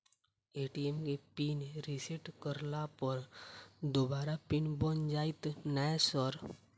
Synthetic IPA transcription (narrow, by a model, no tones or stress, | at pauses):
eːʈiemkepinɾisiʈkəɾlapəɾd̪obaːɾapinbənd͡ʒaːit̪nasɔɾ